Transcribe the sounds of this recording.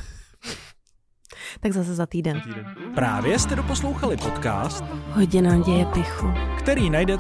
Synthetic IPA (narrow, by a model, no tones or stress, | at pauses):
t̪aɡzas̬ɛzat̪iːdɛnpɾa̰ːvjɛst̪ɛdopo̞slowxalɪpot̪ka̰ːst̪ɦoɟɪnaːɟɛjɛpɪxukt̪ɛɾiːnajdɛ